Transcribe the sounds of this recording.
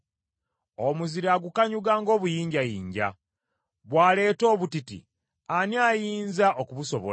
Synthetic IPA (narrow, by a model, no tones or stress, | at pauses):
omuziɾaːɡukaɲuɡaːŋɡo̞ːβujiːɲɟajḭːɲɟa̰ | βwaːle̞ːto̞ːβutitḭ | aniajiːnzaʔokuβuso̞βo̰